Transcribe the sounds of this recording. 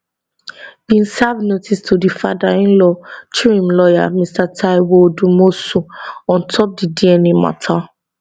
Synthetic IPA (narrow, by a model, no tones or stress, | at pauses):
b̥ĩnsavnotʰistʰudifadaĩnlɔt͡ʃiɹĩmlɔja̰mistatʰaɪwodumosuɔ̃ntʰɔp̚didiɛnima̰tʰa